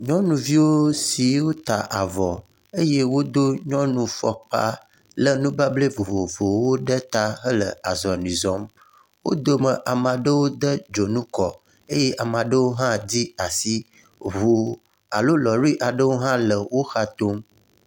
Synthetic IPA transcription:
ɲɔ̃˦nũ˨vi˦wo˦si˨wo˦t̪a˨ʔa˨vɔ˨ | e˦je˦wo˦d̪o˦ɲɔ̃˦nũ˨fɔ˨k͡pa̰˦ | lə˦nũ˦ba˦ble˦vo˨vo˨vo˨wo˦ɖə˦t̪a˦ɦə˦lə̰˨a˨zɔ˨nĩ˨zɔ˨˦m | wo̰˦d̪o˦mə̃˨ʔa˨mã˨ɖə˦wo˦d̪ə˦d͡ʒo˨nũ˦kɔ˨ | e˦je˦ʔa˨mã˨ɖə˦wo˦ɦã˦d͡ʑi˦a˨si˦ | vo˨ | a˨lo˦lɔ˨ɾi˦ʔa˨ɖə˦wo˦ɦã˦lə˨wo˦xa˦t̪o˦m

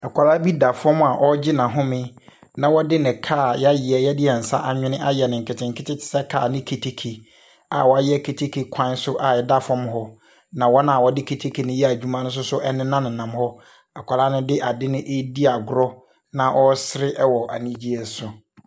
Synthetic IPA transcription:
a˨kʰʷa˨ɾa˦bi˦da˨fɔ̃˦m˦˨a˨ʔɔ˦d͡ʑɪ˦nã˨ɦʊ̃˦mɪ̃˦ | nã˨wɔ˦dɪ˦nɪ̃˨kʰaː˦˨jjɪ˨ɛ˨jɛ˦dɪ˦ɛ˨n̩˨sa˦ʔa˨ɲᶣɪ̃˦nɪ̃˦ʔa˦jɛ˨nɪ̃˨ŋ̩˨kʰɪ˨tʰɪ̃˨ŋ̩˨kʰɪ˦tʰɪ˦tʰɪ̥˨sɛ˦kʰa̰ː˨nɪ̃˦kʰe˨tʰe˨kʰe˨ | a˨wɔ˨˦a˦jɛ˦˨kʰe˨tʰe˦kʰe˨kʷʰã˦n˦sʊ˦ʔa˨jɛ˦da˦˨fɔ̃˦m˦ɦɔ˦ | nã˨wɔ˦nã˦a˨wɔ˦dɪ˦kʰe˨tʰe˦kʰe˨nɪ̃˦jɛ˦˨d͡ʑᶣu˦mã˦nʊ̃˦s̬ʊ˦sʊ˦ʔɛ˦nɪ̃˦nã˦nɪ̃˨nã˨m˦hɔ˦ | a˨kʷʰa˨laː˦nʊ̃˦dɪ˦ʔa˨dɪ˦nɪ̃˦ʔe˦di˦a˨ɡʊ˦ɾɔ˦ | nã˨ʔɔ˦sɪ˦ɾɪ˦ʔɛ˦wɔ˨ʔa̰˨nĩ˦d͡ʑi˦ɛ˨sʊ˨

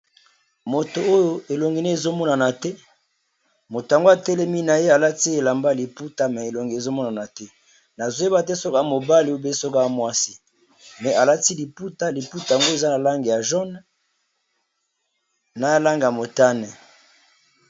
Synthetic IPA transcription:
mo˨to˨o˦jo˦e˨lo˨ŋɡi˨ne˦e˨zo˦mɔ˦na˨na˨tɛ˦ | mo˨to˨a˨ŋɡo˦a˨tɛ˦lɛ˦mi˦na˨je˦a˨la˦ti˦e˨la˨mba˦li˨pu˦ta˦mɛ˨e˨lo˨ŋɡi˨e˨zo˦mɔ˦na˨na˨tɛ˦ | na˨zo˦e˦ba˨tɛ˦sɔ˦ka˦˨mo˨ba˦li˦o˦be˦sɔ˦kmwa˦si̥˦ | mɛ˨a˨la˦ti˦li˨pu˦ta˦li˨pu˦ta˨ŋɡo˦e˨za˦na˨la˦ŋɡe˨ja˨ʒɔ˦n˦ | na˨˦la˦ŋɡmo˨ta˦nɛ˨

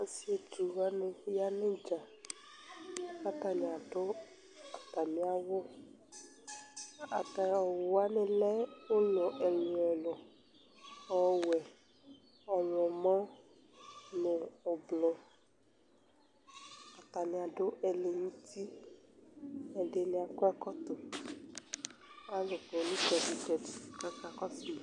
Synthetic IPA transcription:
ã˦si˦e˨d͡ʒu˨ɣa˦nẽ˨˦ja˦nẽ˦d͡ʒa˨ | ka˦t̪a˨nĩ˨a˨ɖo˦ | a˨t̪a˨mĩ˦a˦wo˦ | a˨t̪a˨ɔ˨wo˦a˦nẽ˨lɛ˦wo˦ɲɔ̃˨ʔɛ˨lũ˨ɛ˨lɔ˨ | ɔ˨wɛ˨ | ɔ˨lɔ̃˨mã˦ | nẽ˨ɔ˨blɔ˨ | a˨t̪a˨nĩ˧a˨do˦ʔɛ˨le˨nũ˦ti˦ | ɛ˨de˧nĩ˧a˨kɔ˦ɛ˦kɔ˦t̪o˨˦ | a˦lo˨blɔ̃˨nĩ˦tɛ˨si˨tɛ˨ti˨i˨ka˦ka˧kɔ˦si˨

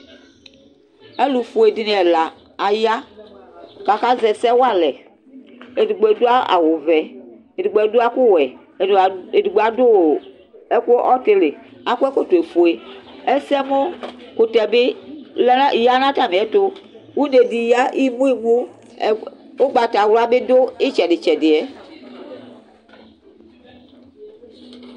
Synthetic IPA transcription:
e˦lu˨fo˨e˨di˦ne˨ɛ˨la˨ | a˨ja˦ | ka˨ka˦zɛ˨sɛ˦wa˦lɛ˨ | e˨di˨ɡ͡be˨do˦a˦a̰˨wo˨vɛ˨ | e˨di˨ɡ͡bɛ˨do˦a˦ku˦wɛ˨ | e˨du˨ɡ͡bo˨a˨do˦w | e˦ko˦ʔɔ˦t̪e˦le˨a˨ku˦ɛ˦ko˦t̪o˨e˨fo˨e˨ɛ˦sɛ˦mo˦ko˨t̪ɛ˨be˦lja˦nã˦ta˦˨me˨ɛ˦to˦ | wu˦ne˨di˨ja˦i˦mũ˦i˨mũ˦˨ | wo˦ɡ͡ba˨ta˨wla˦be˦do˦e˦t͡ʃɛ˨dɪ˨t͡ʃɛ˨dɪ˨ɛ˦

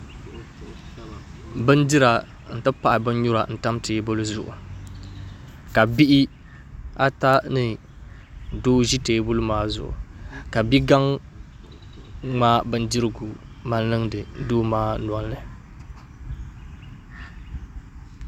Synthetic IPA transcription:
bɨ˦n˦di˦ɾa˨ | n̩˨tɨ˦pa˦ʔa˨bɨ˦n˦ɲʊ˦ɾa̰˨n̩˨ta˦mteː˨˦bo˦lu˦zʊ̰˨ʔʊ̰˨ | ka˨bi˦ʔi˦ | a˦ta˦nɨ˨ | doː˦ʒi˦teː˨˦bo˦lɨ˦maː˦zʊ̰˨ʔʊ̰˨ka˨bi˦ɡa˦ŋ | ŋ͡maː˦bɨ˦n˦di˦ɾɨ˦ɡu˨ma˨nlɨ˦ŋdɨ˨˦doː˦maː˦n˨ɔ˦nː˦ɨ˨

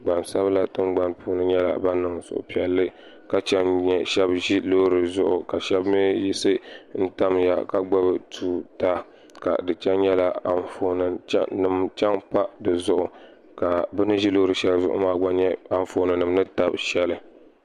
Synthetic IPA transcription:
ɡ͡ba˨nsa˦bla˦tɨ˦mɡ͡ba˦npʰuː˦nɨ˦ɲɛ˦la̰˨ba˦nɨ˨ŋsʊ̰˨ʔʊ̰˨pi˨ɛ˨lːɨ˦ | ka˦t͡ʃɛ˦nɲɛ˦ʃɛ˦bʒi˦lo˦ɾɨ˨zʊ˦ʔʊ˨ka˨ʃɛ˦bmɨ˦ji˦sɨ˦n̩˦ta˦mja̰˨ka˦ɡ͡ba˦bɨ˦tʰuː˦ta˦ | ka̰˨dɨ˨t͡ʃɛ˦nɲɛ˦la˨a˨nfo˨nɨ˨t͡ʃnɨ˨mt͡ʃɛ˦ŋpa˦dɨ˨zʊ˦ʔʊ˨ | ka˨bɨ˦nɨ˦ʒi˦lo˦ɾɨ˨ʃɛ˨lzʊ̰˦ʔʊ̰˦maː˦ɡ͡ba˦ɲɛ˦a˨ɱ˨fo˨nɨ˨nɨ˨mnɨ˦ta˦bʃɛ˦lɨ˦

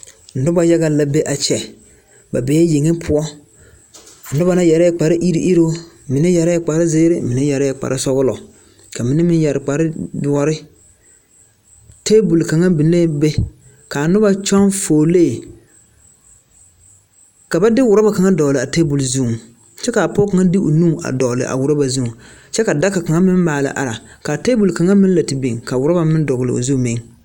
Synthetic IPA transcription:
n̩˨dʊ˦ba˨ja˦ɡa˦˨la˨be˦ʔa˨t͡ʃɛ˨ | ba˨be˨jɛ˦je˨ŋe˦pʰʊ˨ɔ˦˨ | n̩˨dʊ˦ba˨na˦jɛ˨ɾa˦jɛ˦k͡pa˨ɾɪ˦ʔi˦ɾi˦ʔi˦ɾo˦ | mɪ˨nɛ˦jɛ˨ɾa˦ɛ˨k͡pa˨ɾɪ˦zeː˦ɾɪ˦mɪ˨nɛ˦jɛ˨ɾa˦jɛ˨k͡pa̰˨ɾɪ˦sɔ˦ɣʊ˦lɔ˨ | ka˨mɪ˨nɛ˦mɪ˦n˦jɛ˨ɾɪ˨k͡pa˨ɾɪ˦dʊ˨ɔ˦ɾɪ˦ | te˦bu˨lka˨ŋa˦bi˨n˦le˦be˦ | ka˨nʊ˦ba˦t͡ʃɔ˦ŋfoː˨leː˦˨ | ka˨ba˦dɪ˦wʊ˨ɾa˦ba˨ka˨ŋa˦dɔ˨lɨ˨a˨te˦bu˨lzu˦˨ | t͡ʃɛ˦ka˨a˨pɔ˦ka˨ŋa˦dɪ˦ʔo̰˨nu˦˨a̰˨dɔ˨lɪ̰˨ʔa̰˨wʊ˨ɾa˦ba˨zu˦˨ŋ | t͡ʃɛ˦ka˨da˦ka˨ka˨ŋa˦mɪ˦m˦maː˨la̰˨ʔa̰˨ɾa˨ka˨te˦bu˨lka˨ŋa˦mɪ˦n˦la˨tɪ˨bi˨ŋka˨wʊ˨ɾa˦ba˨mɪ˦n˦dɔ˨ɣlɨ̰˨o̰˨zu˦˨mɪ˦ŋ

